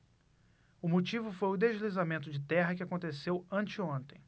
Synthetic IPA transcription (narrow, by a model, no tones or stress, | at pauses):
ʊmot͡ʃivʊfojʊd̪eʒlizamẽnt̪ʊd͡ʒɪt̪ɛɦɐkɪakõnt̪esewɐ̃t͡ʃɪõnt̪ẽj̃